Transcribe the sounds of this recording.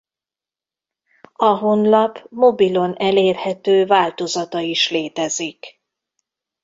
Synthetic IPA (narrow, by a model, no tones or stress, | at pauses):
ɒɦo̞nlɒpmo̞bilo̞nɛleːrhɛt̪øːvaːlt̪o̞zɒt̪ɒiʃleːt̪ɛzik